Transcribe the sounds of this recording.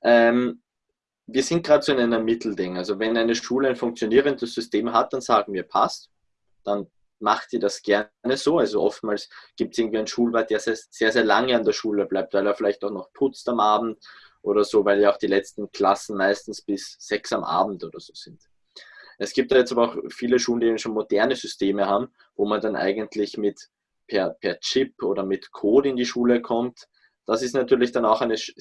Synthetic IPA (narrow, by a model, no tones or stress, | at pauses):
ʔɛːm | viːɐz̥ɪnt̚ɡ̥ʁaːdəsoɪnæɪnəmːɪtʰl̩dɪŋalzovɛnæɪnəʃʃuːləæɪnfʊ̃ŋk̚t͡sjoniːʁəndəsz̥ʏsteːmɦat̚d̥anz̥aːɡŋ̩viːɐpʰast | d̥an | maχtiːɐdasɡ̥ɛɐnəzoːalzoʔɔftmaːlsɡ̥iːp̚tsɪŋ̩tv̥iːæɪnʃuːlvaɐt̚d̥eːɐzeːɐz̥eːɐzeːɐlaŋəandeːɐʃuːləb̥laɪp̚tvæɪleːɐfɪlæɪçtaʊxnɔχpʰʊt͡stamʔaːbm̩t | ʔoːɾɐzoːvaɪljaʊxd̥iːlɛt͡stn̩kʰl̥asn̩maɪstn̩sb̥ɪsz̥ɛksamʔa̰ːbm̩tʔoːdɐz̥oːz̥ɪnt | ʔɛsɡ̥iːp̚tjaːjɛt͡stabɐaʊxfiːləʃuːlndiːbnʃoːnmodɛɐnəzʏstʰeːməhaːbm̩ | voːmandanʔa̰ɪɡəntʰlɪçmɪt | pʰɛɐpʰɛɐt͡ʃɪpʔoːɾɐmɪtkʰoːtɪndiʃuːləkʰɔmt | d̥asɪstnatyːɐlɪçd̥anaʊxæɪnəʃ